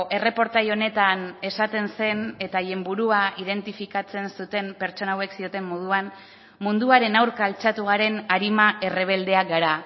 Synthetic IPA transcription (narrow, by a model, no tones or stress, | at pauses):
ʔe̞re̞po̞ɾt̪ajo̞ne̞t̪ane̞sat̪e̞nse̞ne̞t̪aje̞mbuɾuaið̞e̞nt̪ifikat͡se̞nsut̪e̞mpe̞ɾt͡ʃo̞nawe̞ksio̞t̪e̞mːoð̞uan | mund̪uaɾe̞nawɾkaːlt͡ʃat̪uɣaɾe̞naɾimaʔe̞re̞β̞e̞ld̪e̞aɡaɾa